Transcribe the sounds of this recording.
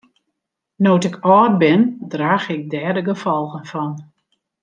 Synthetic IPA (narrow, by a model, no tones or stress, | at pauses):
nowtɪkʰɔːrbɪndraːɣɪk̚dɛːdəɡəfɔlˠɣənfɔn